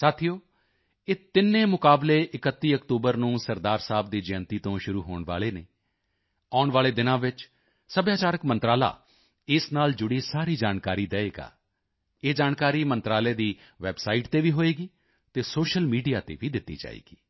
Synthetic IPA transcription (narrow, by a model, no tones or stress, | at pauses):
saːt̪ʰijoː | eːt̪ɪnːẽːmʊkaːbleːʔɪkət̪ːiːəkt̪uːbəɾnũːsəɾd̪aːɾsaːbd̪iːd͡ʒɛːnt̪iːt̪õːʃʊɾuːɦoːɳʋa̰ːleːneː | aːʊɳʋaːleːd̪ɪnãːʋɪt͡ʃ | səbjaːt͡ʃaːɾəkmə̃nt̪ɾaːla̰ː | ɪsnaːld͡ʒʊɽiːsaːɾiːd͡ʒaːnkaːɾiːd̪ɛːeːɡa̰ː | eːd͡ʒaːnkaːɾiːmənt̪ɾaːleːd̪iː | ʋɛːbsaːiʈt̪eːʋiːɦoːeːɡiː | t̪eːsoːʃəlmiːɖijaːt̪ḛːʋiːd̪ɪt̪ːḭːd͡ʒa̰ːḛːɡiː